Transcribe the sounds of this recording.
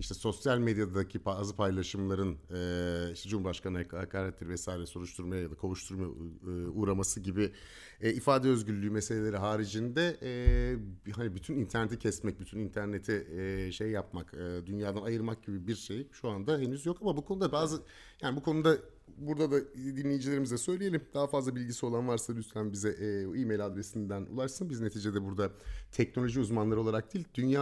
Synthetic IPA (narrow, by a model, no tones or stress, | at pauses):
iʃt̪ʰɛso̞sjalʲmed̪jad̪ad̪acʰipazɯpʰajlˠaʃɯmlˠaɾɯnɯiʃt̪ɛd͡ʒumbaʃkʰanɯhakhakʰaːɾɛt̪lʲɛɾivɛsaːiɾɛso̞ɾuʃt̪ʰuɾmajajad̪akʰoluʃt̪ʰuɾmaj̰uːɾamasɯɟibɪ | ɛːifaːd̪ɛø̞zɟyllʲːyːmese̞lʲe̞lʲe̞ɾiɦaːɾid͡ʒind̪ɛ | ɦanibyt̪ʰynint̪ʰæɾnet̪ʰicʰɛsmɛc̚byt̪ʰynint̪ʰæɾne̞t̪ʰɛʃejːap̚makɯːd̪ynjaːd̪anajɯɾmak̚ɟibibiɾʃejʃuand̪aɦe̞nyzjo̞kamabukʰo̞nud̪abaːzɯ | jaːnibukʰo̞nud̪a | buɾd̪ad̪ad̪inlʲe̞jid͡ʒilʲeɾimizd̪ɛsø̞jleje̞lʲimd̪aɦafazlˠabilʲɟisio̞lˠanvaɾsad̪yslʲæmbizɛʔːiːmejlʲad̪ɾesind̪ænṵlˠaʃsɯnbizne̞t̪ʰiːd͡ʒe̞d̪ɛbuɾd̪at̪ʰɛcnolʲo̞ʒiuzmanlˠaɾo̞lˠaɾak̚d̪iːlʲd̪̥ynja